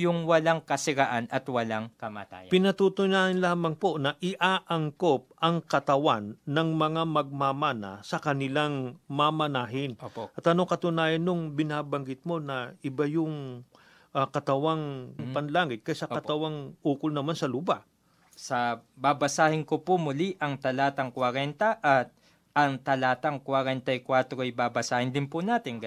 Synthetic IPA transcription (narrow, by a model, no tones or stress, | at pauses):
jʊŋwɐlaŋkɐsɪɾaʔanɐt̪wɐlaŋkɐma̰ːt̪a̰ːjpɪnɐt̪ut̪ʊjnaːhɪnlaːmɐŋpo̞nɐʔɪʔaːʔɐŋkop̚ʔɐŋkɐt̪ɐwanːɐŋmɐŋamɐɡ̚mamanɐ̰sɐkɐnɪlaŋmamɐnaːɦɪnopʔɐt̪ɐnoŋkɐt̪ʊnaːjɐnːoŋbɪnaːbɐŋɡɪt̪̚mo̞nɐʔɪbajʊŋ | ɐkɐt̪ɐwaŋpɐnlaːŋɪt̪̚kɐjasɐkɐt̪ɐwaŋʔuːkʊlnɐmansɐlʊba | sɐbabɐsaːhɪnkopʊmʊliʔɐŋt̪ɐlaːt̪ɐŋkwɐɾɛnt̪ɐʔɐt̪̚ | ʔɐŋt̪ɐlaːt̪ɐŋkwaɾɛnt̪ɐjkwat̪ɾoɐjbabɐsaːhɪnd̪ɪnpʊnaːt̪ɪnɡ